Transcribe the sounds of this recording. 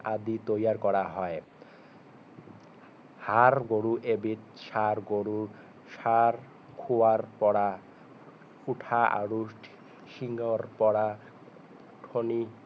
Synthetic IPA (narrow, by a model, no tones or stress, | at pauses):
ad̪it̪ojaɾkɔɾaɦɔe | haɾɡoɽuʔebit̪̚ʃaɾɡoɽuɾ | ʃaɾ | kʰuwaɾpɔɽa | uʈʰaa̰ɾuʃʈʰ | ʃiŋɡoɾpɔɽa | ʈʰoni